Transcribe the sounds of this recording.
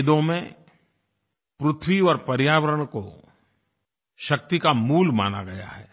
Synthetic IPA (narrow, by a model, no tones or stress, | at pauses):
d̪õmẽ | pɾʊt̪ʰwiɔːɾpɐɾjaːʋəɾəɽ̃ko | ʃɐk̚t̪ikamuːlma̰ːna̰ɡɐja̰ɦɛ̰ː